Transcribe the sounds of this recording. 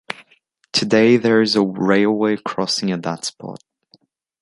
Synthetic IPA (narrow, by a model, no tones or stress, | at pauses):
tʰɨdeɪðə˞ɪzəɹeɪlˠweɪkʰɹ̥ɔsɪ̃ŋɨt̚ðə̰tspʰɔ̰ˑt̚